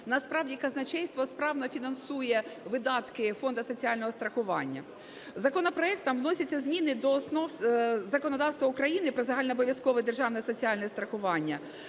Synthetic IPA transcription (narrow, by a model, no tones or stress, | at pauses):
nɐspɾɑʋwdʲikɐznɐt͡ʃɛjst̪ʋɔspɾɑʋnɔfʲinɐnsujɛʋɪd̪ɑt̪kɪfɔnd̪ɐsɔt͡sʲiɑlʲnɔɦɔst̪ɾɐxʊʋɑnʲːɐ̰ | zɐkɔnɔpɾɔɛk̚t̪ːɐmwnɔsʲɐt͡sʲːɐzmʲinɪd̪ɔːsnɔwzɐkɔnɔd̪ɑwst̪ʋɐʊkɾɐjinɪpɾɔzɐɦɑlʲnɛɔbɔʋʲjɐskɔʋɪd̪erʒɑwnɛsɔt͡sʲiɑlʲnɛst̪ɾɐxʊʋɑnʲːɐ